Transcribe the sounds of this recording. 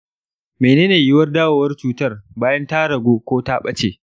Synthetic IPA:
meː˨neː˦neː˨jɪ˦wɐ˦rdaː˦waː˨wɐ˦rt͡ʃuː˨tɐ˦rbaː˦jɐ˦ntaː˦ɽɐ˨ɡʷoː˦kʷoː˦taː˦ɓɐ˦t͡ʃeː˨

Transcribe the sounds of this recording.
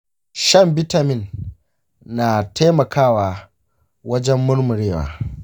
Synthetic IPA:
ʃɐ˦˨mbɪ˦ta˨mɪ˨nː | aː˨tʰa˦mɐ˨kʰaː˦waː˨ | wɐ˦d͡ʒɛ˦mːʊ˦ɽmʊ˨ɽeː˦˨wa̰ː˨

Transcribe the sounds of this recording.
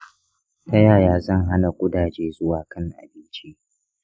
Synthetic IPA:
tɐ˦jaː˨jaː˦zɐ˦˨ŋɦa˦na˨kʷʼʊ˦daː˨d͡ʒeː˦zʊ˦waː˨kʰɐ˦ŋʔa̰˨bɪ˦nt͡ʃi˦

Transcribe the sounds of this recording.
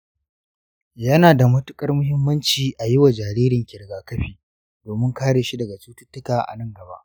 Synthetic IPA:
jɐ˦naː˨da˨mɐ˦tʊ˦kʼɐ˦rmʊ˦hɪ˦mːɐ˦nt͡ʃiː˨ʔa˨jɪ˦wa˨d͡ʒaː˨ɾiː˦ɾɪ˨ŋkʲɪ˨ɽɡaː˨kɐ˦ɸiː˨ | doː˨mɪ˦ŋkaː˦ɽeː˨ʃi˦dɐ˨ɡa˨t͡ʃuː˦tʊ˦tːʊ˦kaː˨ʔa̰˨nɐ˦ŋɡɐ˨ba̰˦ʔ

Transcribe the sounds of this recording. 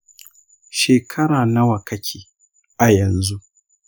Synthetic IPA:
ʃeː˨kʰɐ˦ɽaː˨na˦wɐ˨kʰɐ˦kʲʰiː˦ | ʔa˨jɐ˨nzu˦ʔ

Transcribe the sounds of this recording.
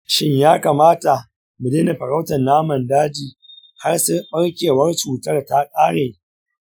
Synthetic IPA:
ʃɪ˦ɲjaː˦kaː˨maː˦ta˨ | mʊ˨deː˦ne˨ɸɐ˨ɾa˦wtɐ˨nnːaː˦mɐ˨ndaː˦d͡ʒiː˨ | ha˦rsʊ˦ɓɐ˦ɽkʲeː˨wɐ˦rt͡ʃuː˨tɐ˦rta˦kʼaː˦ɽeː˨

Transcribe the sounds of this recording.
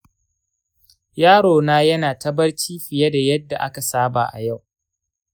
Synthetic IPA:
jaː˦ɽoː˨naː˦jɐ˦naː˨tɐ˦bɐ˦rt͡ʃiː˦ɸɪ˨jɐ˦da˨jɐ˦dːa̰˨ʔa˦ka˨saː˦ba̰ː˨ʔa̰˨ja˦˨w

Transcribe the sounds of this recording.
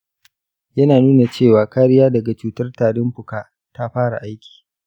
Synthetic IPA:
jɐ˦naː˨nuː˦na˨t͡ʃeː˦˨waː˨kaː˦ɾɪ˦jaː˦dɐ˨ɡa˨t͡ʃuː˦tɐ˦rtaː˨dɪ˦mɸʊ˨kaː˨ | ta˦ɸaː˦ɽa̰˨ʔa˦jkʲi̥ː˨

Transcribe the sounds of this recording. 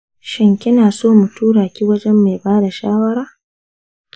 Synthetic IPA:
ʃɪ˨ŋkʲɪ˦naː˨soː˦mu˨tuː˦ɽaː˨kʲiː˦wɐ˦d͡ʒɛ˦mːa˨jbaː˦da˨ʃaː˦wɐ˦ɾaː˦

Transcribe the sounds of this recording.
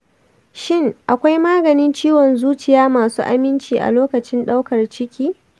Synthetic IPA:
ʃɪ˦˨ŋʔa˨kʷa˦jmaː˦ɡɐ˨nɪ˦nt͡ʃiː˦wɔ˨nzuː˦t͡ʃɪ˨jaː˦maː˨sṵː˦ʔa̰˦mɪ˦nt͡ʃiː˨ʔa̰˨loː˦kɐ˨t͡ʃɪ˦nɗa˦wkɐ˨rt͡ʃɪ˦kʲiː˦

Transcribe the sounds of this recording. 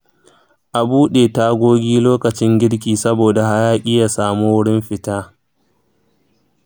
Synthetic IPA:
ʔa˨buː˦ɗeː˨ta˦ɡʷoː˦ɡʲiː˦loː˦kɐ˨t͡ʃɪ˦ŋɡʲɪ˦ɽk̬ʲiː˨sɐ˦boː˨da˨ha˦jaː˦ʔʲʼɪ˦ja˨saː˨muː˦wʊ˦ɽɪ˦mɸɪ˨taː˦

